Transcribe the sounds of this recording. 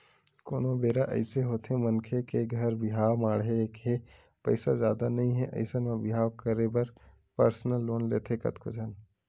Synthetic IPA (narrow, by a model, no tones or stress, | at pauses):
koːnõbeːɾaʔɐ̰ɪseɦoːt̪ʰẽmɐnkʰekeɡʱɐɾbɪɦaːwmaːɽɦekɦe | pɐɪsazjaːd̪anɐɦĩɦɛʔɐ̰ɪsənmãbɪɦaːwkəɾebəɾ | pəɾsnəlːoːnleːt̪ʰekɐ̰t̪kʰod͡ʒʱən